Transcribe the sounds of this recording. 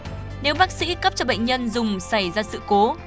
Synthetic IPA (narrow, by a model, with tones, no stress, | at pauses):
ne˨˦wɓaː˦˥k̚sḭ˧˥kə˦˥p̚t͡ɕɔ˧ɓə̰˧˨j̟ɲə˧nzʊ˨˩ŋ͡msa˧˩jzaː˧sɨ̰˧˨ko˨˦